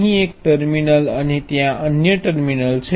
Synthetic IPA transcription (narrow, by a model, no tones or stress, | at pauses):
ɦĩek̚ʈəɾminəlañit̪jãʔənjəʈəɾminəlt͡ɕʰe